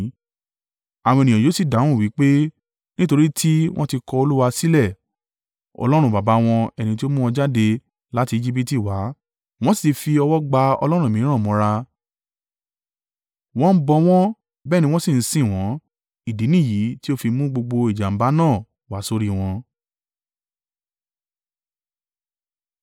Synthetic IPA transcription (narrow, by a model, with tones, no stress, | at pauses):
a˨w̃ɔ̃˧˨nĩ˨ɔ̃˨jo˨˦si˦˨da˨˦w̃ũ˦˨wi˨˦k͡pe˦ | nĩ˦to˧ɾi˦tʰi˦w̃ɔ̃˦ti˧kɔ˧o˧lu˦wa˧si˦lɛ˦˨ | ɔ̰˧lɔ˦ɾ̃ũ˧ba˨ba˨˦w̃ɔ̃˧ɛ˧nĩ˧t̬i˦o˦mũ˦ɔ̃˧d͡ʒa˦de˧ | la˦ti˧i˧d͡ʒi˦p̬i˦ti˦˨wa˨˦ | w̃ɔ̃˦si̥˦˨ti˧fi˧ɔ˧wɔ˦ɡ͡ba˧ɔ̰˧lɔ˦ɾ̃ũ˦˨mĩ˨˦ɾ̃ã˦˨mɔ̃˨˧˦ɾa˧ | w̃ɔ̃˦bɔ˧w̃ɔ̃˦ | bɛ˦nĩ˧w̃ɔ̃˦si˦˨n̩˦sĩ˦˨w̃ɔ̃˨˦ | i˦˨di˨˦nĩ˦˨ji˨˦ti˦o˦fi˧mũ˦ɡ͡bo˧ɡ͡bo˧i˨d͡ʒa˨m̩˨ba˨˦nãː˦˨ | wa˨˦so˧ɾi˦w̃ɔ̃˧